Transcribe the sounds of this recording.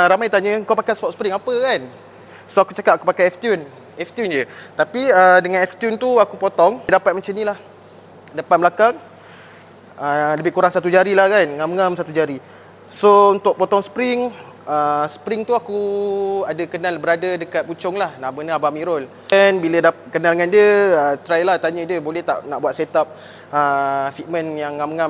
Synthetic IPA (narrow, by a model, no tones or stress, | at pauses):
ɾamajt̪aɲə̃ŋkawpakajspɔt̪̚sə̥pɾɪŋapəkan | soakut͡ʃakat̪̚akupakajɛft̪jun | ɛft̪jund͡ʒət̪apiədəŋãnɛft̪junt̪uakupɔt̪ɔŋdapat̪̚mat͡ʃanĩlah | dəpat̪̚bəlakaŋ | ələbɪhkuɾaŋsat̪ud͡ʒaɾilahkanŋaməŋamsat̪ud͡ʒaɾi | sount̪ʊʔ̚pɔt̪ɔŋspɾɪŋ | əspɾɪŋt̪uakuadəkənalbəɾadədəkat̪̚put͡ʃɔŋlahnamənəabamĩɾɔl | ɛnbilədapat̪̚kənalŋandiəət̪ɾajlaht̪aɲə̃diəbolɛht̪a̰ʔnaʔbuwat̪set̪ap̚ | əfit̪̚mə̃njaŋːamŋam